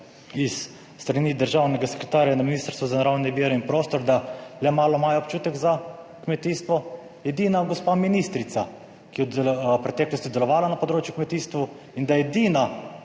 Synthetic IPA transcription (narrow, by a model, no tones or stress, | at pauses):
isː | t̪ɾaniːd̪əɾʒaːwnɛɡasɛ̥kɾɛt̪aːɾjanaminiːst̪əɾst̪ʋuzanaɾawnɛʋiːɾɛinpɾoːst̪ɔɾd̪alɛmaːlɔmaːjɛɔpt͡ʃuːt̪ɛɡza | kmɛt̪iːst̪ʋɔ | jɛd̪iːnaɡɔspaːminiːst̪ɾit̪sa | kijɛpɾɛt̪ɛːklɔst̪id̪ɛlɔʋaːlanapɔd̪ɾoːt͡ʃjukmɛt̪iːst̪ʋu | ind̪ajɛd̪iːna